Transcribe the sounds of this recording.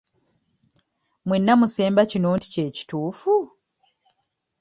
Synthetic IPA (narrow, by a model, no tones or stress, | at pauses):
mwenːamuse̞ːmbacinoːnti̥ce̞ːci̥tuːfu